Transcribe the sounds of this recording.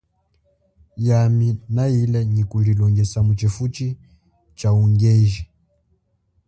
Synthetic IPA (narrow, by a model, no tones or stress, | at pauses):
jaminailɛɲikulilɔŋɡɛsamut͡ʃɛfut͡ʃi | t͡ʃauŋɡɛʒɛ